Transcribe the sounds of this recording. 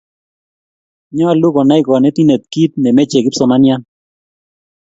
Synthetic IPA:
ɲɔ˦a˨lu˦kɔ˨na˦ɪ˦kɔ˨nɛ˦t̪i˦ne˨t̪̚ki˦t̪̚nɛ˨me˦t͡ʃe˨kɪ˦psɔ˨ma˦nja˦n

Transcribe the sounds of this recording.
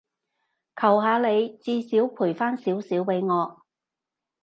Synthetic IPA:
kʰɐ˨˩wɦaː˨˧le˨˧jt͡siː˧siː˨˥wpʰuː˨˩jfaː˥nsiː˨˥wsiː˨˥wpe˨˧˥jŋɔː˨˧

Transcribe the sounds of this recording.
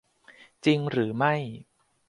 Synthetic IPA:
t͡ɕi˧ŋɾɯː˩˦ma˥˩j

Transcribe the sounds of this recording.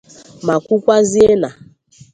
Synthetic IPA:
ma˨kʷu˦kʷa˦zi˦e˦na˨

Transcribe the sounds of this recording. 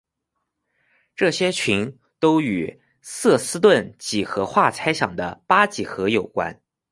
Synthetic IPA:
ʈ͡ʂɤ˥˩ɕjɛ˥t͡ɕʰi˧˥n | t̪o˥ʊy˨˩ | sɤ˥˩sɹ̩˥t̪̬wə˥˩nt͡ɕi˨˩xɤ˧˥xwa˥˩t͡sʰa˥ɪɕjɑ̰˨˩ŋd̪ə˦pa˥t͡ɕi˨˩xɤ˧˥jo˨˩ʊkwa̰˥n

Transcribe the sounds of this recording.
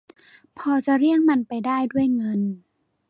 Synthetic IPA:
pʰɔː˧t͡ɕa˧˩ɾi˥˩əŋma˧npa˧jdaː˥˩jdu˥˩əjŋɤ˧n

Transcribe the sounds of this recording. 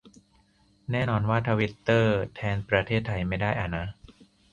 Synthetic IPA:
nɛː˥˩nɔː˧nwaː˥˩t̪ʰa˧wi˦˥t̪ːɤː˥˩t̪ʰɛː˧npɾa˧t̪ʰeː˥˩t̪ʰːa˧jma˥˩jdaː˥˩jʔa˧˩na˦˥

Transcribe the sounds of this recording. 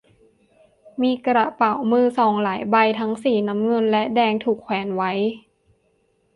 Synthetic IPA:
miː˧kɾa˨˩pa˨˩wmɯː˧˩sɔː˨˩˦ŋlaː˩˦jba˧jt̪ʰa˦˥ŋsiː˨˩na˦˥mŋɤ˧nlɛ˦˥ʔdɛː˧ŋt̪ʰuː˨˩kʰwɛː˩˦nwa˦˥j

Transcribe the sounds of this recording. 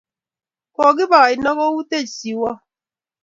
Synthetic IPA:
kɔ˨ɡi˦ba˨i˨nɔ˦ɣɔ˦wu˦te˦˨si˨wɔ˦

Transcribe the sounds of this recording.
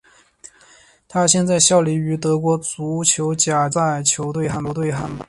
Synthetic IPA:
t̪ʰa˥ɕjɛ˥˧nt͡sa˥˧ɪɕjɑ˥˩ʊli˧˥y˧˥t̪ɤ˧˥kwɔ˧˥t͡su˧˥t͡ɕʰjo˧˥ʊt͡ɕja˨˩t͡sa˥˩ɪ˩ɪt͡ɕʰjo˧˥ʊt̪we˥˧ɪxa˥˩nɔ˧˥t̪we˥˧ɪxa̰˥˩n

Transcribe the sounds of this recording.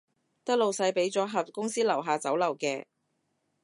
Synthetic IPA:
t̪ɐ˥k̚lo˨wsɐ˧jpe˨˥jt͡sɔː˨˥ɦɐ˨p̚kʊ˥ŋsiː˥lɐ˨˩wɦaː˨t͡sɐ˨˥wlɐ˨˩wkɛː˧

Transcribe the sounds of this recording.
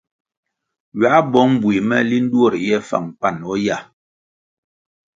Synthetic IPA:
ɥa˨˦ʔbɔ˦ŋm˦bwi˨mɛ˦˨li˦n̩˦dwo˦˨ɾjɛ˦fa̰˨ŋpa˨nɔ˦ja˦˨

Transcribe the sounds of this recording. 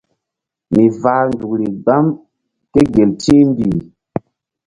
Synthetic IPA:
mi˨vaː˨˦ndu˨k̚ɾi˨ɡ͡ba˦m | ke˦ɡe˨ltĩ˦m˦bi˨

